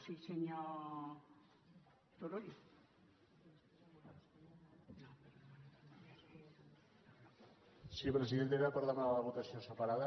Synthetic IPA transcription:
siseɲo | t̪oɾoj | sipɾəziðent̪̬eɾapəɾðamaðaləβut̪asiosəpaɾaðə

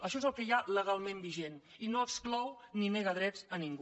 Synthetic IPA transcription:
əʃɔezəlˠkəjaləɣalˠmẽmbiʒeninoəksklɔwnineɣəðɾɛzəniŋɡu

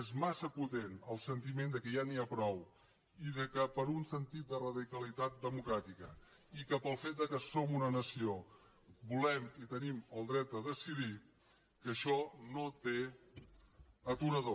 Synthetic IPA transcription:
ezmasəput̪enəlˠsənt̪imend̪əkəjaniapɾɔw | iðəkəpəɾunsənt̪it̪̚d̪ərəðikəlit̪at̪̚d̪əmukɾat̪ikə | ikəpəlˠfet̪̚d̪əkəsomunənəsio | bulɛmit̪əniməlˠd̪ɾɛt̪̚d̪əðəsiði | kəʃɔnot̪e | ət̪uɾəðo

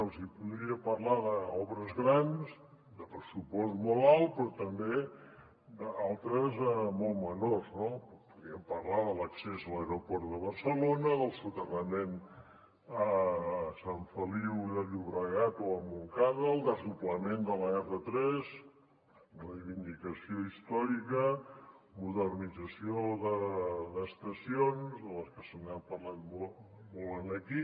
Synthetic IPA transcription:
əlˠzipuðɾiəpəɾlaðəɔβɾəzɣɾans | d̪əpɾəsupɔstmɔlˠalˠt̪̚pɾɔt̪əmbe | d̪əalˠt̪ɾəzəmɔlˠmənoznopuðɾiəmpəɾlaðələksezələeɾopɔɾt̪ðəβəɾsəlonəðəlˠsut̪ərəmen | əsaɱfəliwðəluβɾəɣat̪oəmuŋkaðəlˠd̪əzupləmend̪ələɛfət̪ɾɛz | rrəjβind̪ikəsioist̪ɔɾikə | muðərnid͡zəsioðəðəst̪əsionzðələskəsənampəɾlanmo | molənəki

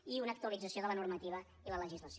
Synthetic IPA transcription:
iunək̚t̪uəlid͡zəsioðələnurmət̪iβ̞ə | ilələʒizləs

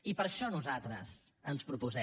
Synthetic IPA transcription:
ipəɾʃɔnuzat̪ɾə̰zənspɾupuzɛ

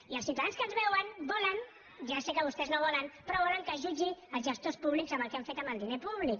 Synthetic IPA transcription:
iəlˠsiwt̪aðanskənzβɛwənbɔlən | ʒasekəβust̪ɛznoβ̞ɔlənpɾɔβ̞ɔləŋkəʒud͡ʒiəlˠzʒəst̪ospuβlikzəmbəlˠkeaɱfet̪əmbəlˠd̪inepuβlik

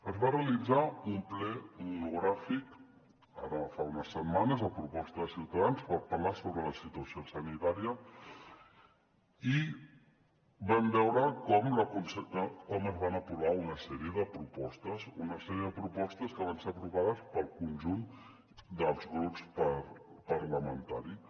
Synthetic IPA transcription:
əzβareəlid͡zaumplɛmunuɣ̞ɾafik | aɾəfaunəsəmmːanəzləpɾupɔst̪əðəsiwt̪əðanspəɾpərlasoβɾələsit̪uəsiosənit̪aɾiə | i | bɛmbɛwɾəkɔmləkunsəd̪əkɔməzβanəpɾuβaunəsɛɾiəðəpɾupɔst̪əsunəsɛɾiəðəpɾupɔst̪əskəβ̞anseəpɾuβaðəspəlˠkunʒun | d̪əlˠzɣɾupspəɾ | pəɾləmənt̪aɾi

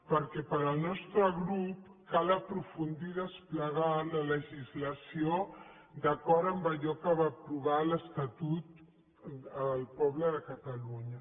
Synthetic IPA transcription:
pəɾkɛpəɾəlˠnɔst̪ɾəɣɾup | kaləpɾufund̪iðəspləɣalələʒizləsjo | d̪əkɔɾəmbəʎɔkəβapɾuβaləst̪at̪ut̪ | əlpɔβləðəkat̪aluɲə

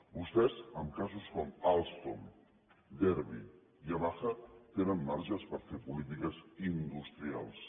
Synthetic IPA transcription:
bust̪ɛzəmkazuskɔmalˠst̪om | d̪ɛɾβi | iaβaxət̪enəmːaɾʒəspəɾfepulit̪̬ikəzind̪ust̪ɾia̰lˠs

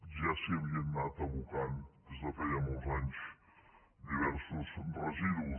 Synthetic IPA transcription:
ʒasiəβienːat̪əβukand̪ezd̪əfajamolˠzaɲs | d̪iβɛɾsuzbrəziðu

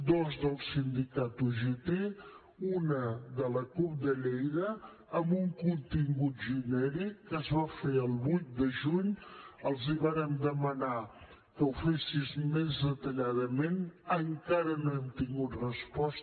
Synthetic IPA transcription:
d̪ozdəlˠsind̪ikat̪uʒepe | unəðələkup̚d̪əʎejðəː | mbuŋkunt̪iŋɡut̪ʒinɛɾikːəzβafeəlˠβujt̪̚d̪əʒuɲəlˠziβaɾənd̪əməna | kəwfesizmezd̪ət̪əʎaðəmenəŋkaɾənoɛmt̪iŋɡut̪rəspɔs

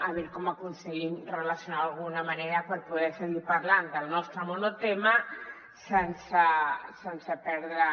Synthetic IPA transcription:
aβɛɾkɔmakunsəɣimrəlasjunawalɣ̞unamaneɾəpəɾpuðɛɾsəɣiɾpaɾland̪əlˠnɔst̪ɾəmonot̪ema | sensəsensəpɛɾðɾə

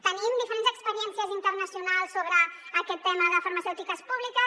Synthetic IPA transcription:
t̪ənimd̪ifəɾenzəkspəɾiɛnsiəzint̪ərnəsiunalˠsːoβɾəːkɛt̪ːɛməðəfəɾmɐsɛwt̪ikəspuβlikə

